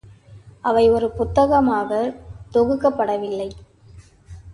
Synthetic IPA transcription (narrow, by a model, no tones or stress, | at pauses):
ʔɐʋɐɪɔɾɯpʊt̪ːɐɣɐmaːɣɐt̪ɔɣɯkːɐpːɐɽɐʋɪlːɐɪ